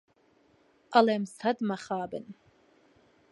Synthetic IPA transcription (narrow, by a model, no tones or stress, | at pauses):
alamsʰadmaχaːbɨ̰n